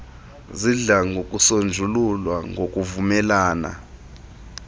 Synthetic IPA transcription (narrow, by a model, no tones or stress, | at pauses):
ziɮaŋɡokʼusond͡ʒʱululwaŋok̬ʼuvumɛlaːna̰